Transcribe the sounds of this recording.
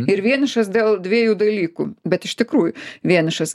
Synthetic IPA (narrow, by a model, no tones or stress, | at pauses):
ɪɾʋʲiɛnʲɪʃɐsd̪ʲeːlˠd̪ʲʋʲiɛjuːd̪ɐlʲiːkṵbʲɛt̪ɪʃt̪ʲɪkɾuːjʊʋʲiɛnʲɪʃɐs